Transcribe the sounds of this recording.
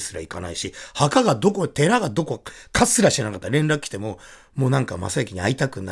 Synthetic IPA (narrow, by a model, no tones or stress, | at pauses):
sɨɾa̰ika̰na̰iɕihakaɡad̪o̞ko̞t̪e̞ɾaɡad̪o̞ko̞kʰasɨɾaɕi̥t̪enakat̪ːaɾẽ̞nɾakɯ̟kʰʲːi̥t̪e̞mo̞ | mo̞ːnãŋka̰ma̰saekʲiɲ̟ia̰it̪akɯ̟na